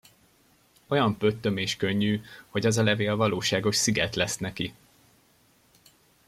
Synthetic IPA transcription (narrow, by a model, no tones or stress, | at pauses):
o̞jɒmpø̞t̪ːømeːʃkøɲːyːho̞ɟɒzɒlɛveːlvɒloːʃaːɡo̞ʃsiɡɛt̪lɛsnɛki